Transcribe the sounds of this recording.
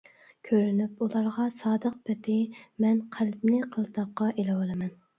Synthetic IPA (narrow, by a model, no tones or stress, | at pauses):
kʲʰøɾynypulˠɑɾʁɑsɑːd̪əq̚bɪt̪ɪmɛnqʰælbnɪqʰəlˠt̪ɑqːɑʔelɪwɑlˠɨmɛn